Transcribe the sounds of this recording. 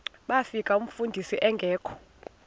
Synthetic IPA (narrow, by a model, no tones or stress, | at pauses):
ɓafikʼaum̩fundʱisiʔɛŋɡʱɛːkʰɔ̥